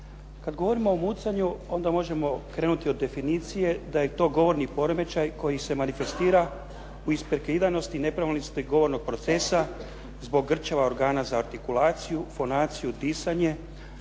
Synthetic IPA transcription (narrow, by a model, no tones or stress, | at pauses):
kad̪ɡo̞ʋo̞ɾimoːmut̪saɲuo̞nd̪amo̞ʒe̞mo̞kɾe̞ːnut̪iod̪ːe̞finiːt̪sije̞d̪aje̞t̪o̞ːɡo̞ʋo̞ɾnipo̞ɾome̞t͡ʃajko̞jise̞manife̞st̪iːɾa | uispeɾkeid̪ajno̞st̪ine̞pɾaʋilnist̪iɡo̞ʋo̞ɾno̞ɡ̚pɾo̞t̪se̞sa | zbo̞ɡːr̩t͡ʃaʋao̞ɾɡaːnazaːɾt̪ikulaːt̪sijufo̞naːt̪sijud̪iːsaɲe̞